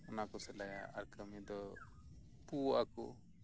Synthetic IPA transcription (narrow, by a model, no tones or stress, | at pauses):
ɔnakɔsɛlaja̰ʔaɾkəmid̪ɔ | puakɔ̰